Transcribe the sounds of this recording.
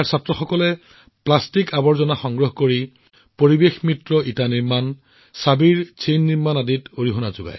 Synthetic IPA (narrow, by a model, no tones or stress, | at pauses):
aɹsatɹɔxɔkɔlɛ | plastikabɔɹzɔnaxɔŋɡɹɔɦkoɹi | poɹibexmɹitɹɔitaniɹman | sabiɹt͡ʃejnːiɹmanaditoɹiɦɔnazʊɡa̰j